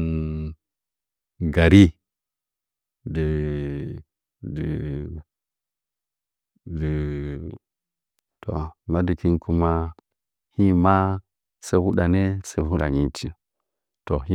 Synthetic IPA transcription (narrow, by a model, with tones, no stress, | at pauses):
ɡa˨ɾi˦ | di˨ | di˨ | di˨ | to̰˨ma˦di˨ki˦nkʰu˦ma˦ | hi˦ma˦ | sa˦hu˦ɗa˨ne˦se˦hu˦ɗa̰˨ɲi˦ti˦ | to˨hi˦